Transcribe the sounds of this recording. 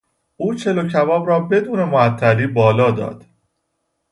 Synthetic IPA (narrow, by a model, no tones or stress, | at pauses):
ʔuːt͡ʃʰe̞locʰævɒːbɾɒːbe̞d̪uːne̞moæt̪ʰːæliːbɒːlɒːd̪ɒ̰ːd̪̥